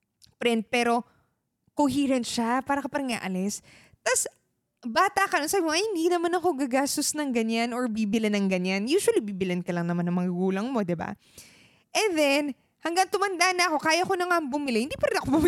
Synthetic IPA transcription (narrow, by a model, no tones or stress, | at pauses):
pɾɛnt̪̚pɛːɾo̞ | koɦiːɾɐnʃapaːɾɐkɐpɐɾŋa̰ʔɐlɛs | t̪ɐs | baːt̪ɐkɐnonsaːbɪmoɐhɪnd̪inɐmanɐko̞ɡaɡaːst̪osnɐŋɡɐɲanoɹbiːbɪlɪnɐŋɡɐɲanjuːʃwɐlibiːbɪlɐnkɐlɐŋnɐŋmanɐŋmɐŋɐɡuːlɐŋmo̞d̪ɛba̰ | ʔɛnd̪ɛn | hɐŋɡɐŋt̪ʊmɐnd̪aʔnɐʔɐko̞kaːjɐko̞nɐŋaʔŋbʊmɪlɛhɪnd̪iːpɐɾɪnɐkobʊm